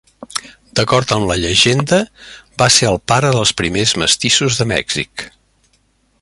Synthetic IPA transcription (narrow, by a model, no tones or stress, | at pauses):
d̪̥əkɔɾt̪əmləʎəʒend̪əbaseəlˠpaɾəðəlˠspɾimezmə̰st̪isuzðəmɛ̰ɡz̥ḭk